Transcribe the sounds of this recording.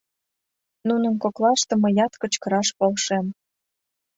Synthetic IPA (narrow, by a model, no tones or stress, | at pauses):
nunənkoklɑʃt̪ɤ̆mə̆jɑt̪kə̆t͡ɕkə̆ɾɑʃpolʃem